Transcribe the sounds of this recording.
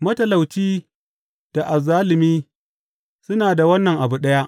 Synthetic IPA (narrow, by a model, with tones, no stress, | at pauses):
mɐ˦tɐ˨la˨wt͡ʃiː˦ | d̥a˨ʔa˨zaː˦lɪ˨miː˦ | sʊ˦naː˨da˨wɐ˦nːɐ˨ŋʔa˨bu˨ɗɐ˦ja˦ʔ